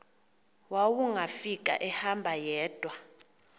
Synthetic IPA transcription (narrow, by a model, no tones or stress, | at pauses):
wawuŋɡʱafik̬ʼa̰ʔɛhambʱajɛːd̥ʱwa